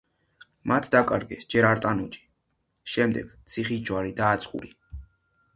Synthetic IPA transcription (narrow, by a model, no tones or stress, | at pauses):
mat̪ʰd̪akʼaɾɡɛsd͡ʒɛɾaɾt̪ʼanud͡ʒi̥ | ʃɛmd̪ɛ̰ɡ̥t̪sʰiχid͡ʒwaɾid̪aːt̪sʰʼχṵɾi